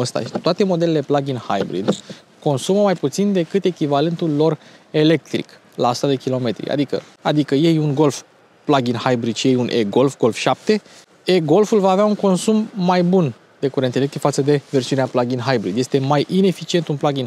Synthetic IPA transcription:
əst̪a̰ʃi̥t̪oat̪e̞mo̞d̪e̞le̞le̞plaɡʲinha̰jbɾḭd̪ | ko̞nsuməmajput̪sind̪e̞kɨt̪e̞kʲivale̞nt̪ulːo̞re̞le̞k̚t̪ɾḭk | laːsu̥t̪ad̪ekʲilo̞me̞t̪ɾḭʔa̰d̪ikə̰ | ad̪ikəje̞juŋɡo̞lf | plaɡʲinhajbɾid̪ʃije̞junʔeɡo̞lfɡo̞lfʃap̚t̪e̞ | eɡo̞lfulvaːveauŋko̞nsumːajbun | d̪e̞kuɾent̪elekt̪ɾikfat̪səd̪e̞ve̞rsiuneaplaɡʲinɦajbɾid̪je̞st̪e̞majʔine̞fit͡ʃie̞nt̪unplaɡʲin

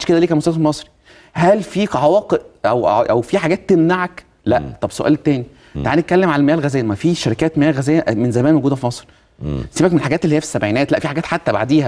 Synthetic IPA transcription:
ʃked̪æliːkæmost̪æsfmɑsˤɾi̥ | hælfiːʕawæːqeʔʔæwʔæwfiħaɡæːt̪ːemnaʕak | læʔt̪ˤɑbsoʔæ̰lt̪ːæːni | t̪aʕaːnet̪̚kælːemʕalælmejæːlɣæzæːjæmæfiːʃæɾikæːt̪mejæːɣæzæːjæʔmenzæmæːnmoɡuːd̪æfimɑsˤɾi | siːbækmenelħaɡæːt̪elːhijːæfi̥sːæbʕiːnæːt̪læʔfiħaɡæːt̪ħat̪ːæba̰ʕd̪iːhæ

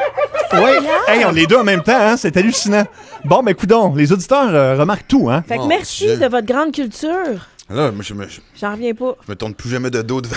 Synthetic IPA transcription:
wɛɛɑ̃led̪øɑ̃mɛ̃mt̪ãɛ̃sɛt̪alysinɑ̃ | bɔ̃bɛkut̪ɔ̃lezod̪it̪œːʁəʁəmaʁk̚t̪uɛ̃famɛʁsid̪əvɔt̪χɡʁɑ̃d̪kʲylt̪yːʁlamwaʒəməʒʒɑ̃ʁvjɛ̃pɔʒəmət̪ʊʁnplyʒamɛd̪əd̪ot̪

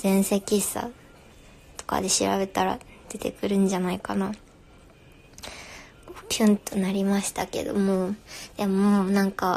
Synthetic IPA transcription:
zẽ̞ɰ̃se̞kʲisa̰ | t̪o̥ka̰d̪e̞ɕiɾa̰be̞t̪aɾa̰ | d̪̥e̞t̪e̞̰kɯ̟ɾɯ̟̃ɲ̟d͡ʑanaikana | okʲʰɯ̃nt̪onaɾʲimaɕi̥t̪ake̞̰d̪o̞̰mod̪̥emoːnãŋka

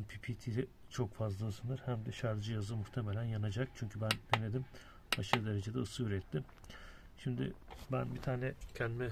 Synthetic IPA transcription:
npʰipʰit̪ʰilʲɛ | t͡ʃʰo̞kfazlˠasɯnd̪ɯɾhæmd̪ɛʃaɾd͡ʒɯjazɯmuxt̪ʰe̞melʲænjanad͡ʒak̚t͡ʃʰyɲcʰybænd̪̥ened̪im | aʃɯɾɯd̪e̞ɾe̞d͡ʒed̪ɛɯsɯyɾɛt̪ʰːɪm | ʃimd̪ɪ̰bænbit̪ʰaːnɛcʰɛnd̪imɛ

